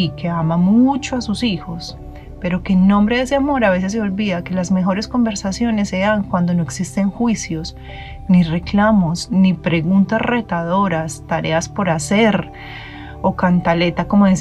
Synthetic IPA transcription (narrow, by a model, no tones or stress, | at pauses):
ke̞amamut͡ʃoasusixo̞s | pe̞ɾo̞keːnnõ̞mbɾe̞ðeseamo̞ɾaβe̞se̞s̬ːeo̞lbiðake̞lazme̞xo̞ɾe̞sko̞mbe̞ɾsasjo̞ne̞sːe̞aŋkwand̪o̞no̞eksist̪e̞ŋxwisjo̞s | nire̞klamo̞snipɾe̞ɣunt̪asre̞t̪aðo̞ɾast̪aɾe̞̰aspo̞ɾase̞ɾ | okant̪ale̞t̪ako̞moðis